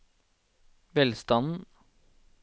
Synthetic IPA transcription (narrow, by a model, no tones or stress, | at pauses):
ʋɛlst̪ɑnn̩